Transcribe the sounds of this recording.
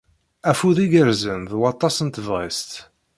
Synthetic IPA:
æfuðiɡəɾzənðwɑt̪ˤːɑsənt̪vʁḭst̪

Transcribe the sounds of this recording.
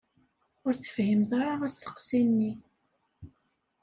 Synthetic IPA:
ʊɾθə̥fhimθɑɾˤɑʁæst̪ə̥qsinːi

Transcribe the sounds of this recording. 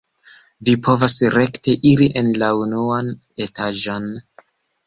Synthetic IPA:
vipʰo̞vasɾe̞kte̞ʔiɾiʔe̞nlaunuan | e̞taʒo̞n

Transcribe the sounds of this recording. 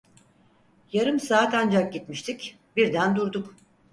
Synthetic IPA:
jaɾɯmsaːt̪and͡ʒak̚ɟit̪miʃt̪ʰic | biɾd̪ænd̪uɾd̪uk

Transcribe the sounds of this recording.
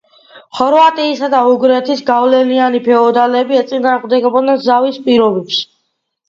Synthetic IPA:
χɔɾvat̪ʼiːsad̪auɡɾɛt̪ʰisɡavlɛlianipʰɛɔd̪alɛbiɛt̪sʼinaːʁmd̪ɛɡɔbɔd̪nɛnzavispʼiɾɔbɛps

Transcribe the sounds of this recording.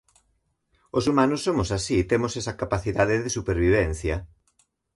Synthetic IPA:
osumãnʊsːomʊsasit̪emʊsɛsɐkapaθiðaðɪðɪsupeɾβiβ̞ɛnθjɐ

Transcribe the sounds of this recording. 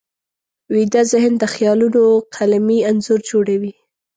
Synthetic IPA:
wid̪azɪhənd̪əxjɑlunoqʰalamianzuɾd͡ʒoɽawi

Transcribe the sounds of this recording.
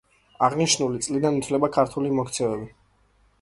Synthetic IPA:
aʁniʃnulit̪sʼlid̪anut̪ʰvlɛbakʰaɾt̪ʰulimɔkʰt̪sʰɛvɛbi

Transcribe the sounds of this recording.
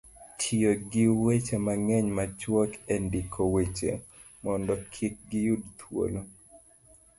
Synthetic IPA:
tʰijoɡɪwet͡ʃemaŋɛɲmat͡ʃwɔkendikʰowet͡ʃḛ | mɔndɔkʰik̚ɡɪjudt̪ʰwo̰lo

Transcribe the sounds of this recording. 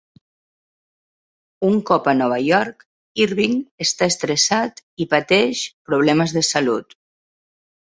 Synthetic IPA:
uŋkɔpənɔβ̞ajɔɾk | iɾβiŋəst̪aest̪ɾesat̪ipat̪ɛʃpɾuβ̞lɛməzðəsalut̪

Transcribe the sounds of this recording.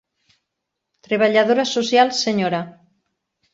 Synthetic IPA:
t̪ɾeβ̞aʎað̞oɾasosjalˠsːeɲoɾa

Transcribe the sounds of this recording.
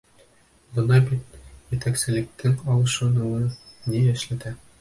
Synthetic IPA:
bɤ̆nɑbit̪jɘ̆t̪æksɘ̆lɘ̆k̚t̪ɘŋɑlˠɤ̆ʃɤ̆nɤ̆wɤnijæ̆ʃlæt̪æ

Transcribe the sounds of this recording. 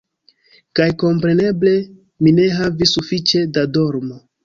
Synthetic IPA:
kajko̞mpɾe̞ne̞ble̞ | mine̞ɦavisufit͡ʃe̞dado̞ɾmo

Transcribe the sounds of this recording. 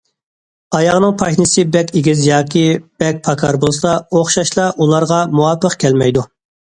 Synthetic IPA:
ɑjɑʁnɨŋpʰɑʃnɨsɪbɛkʲeɡʲizjɑːkʲʰib̥ɛk̚ʲpʰɑkʰɑɾbolˠsɑoχʃɑʃlˠɑʔulˠɑɾʁɑmuɑpʰːəqkʲʰɛlmɛjd̪u

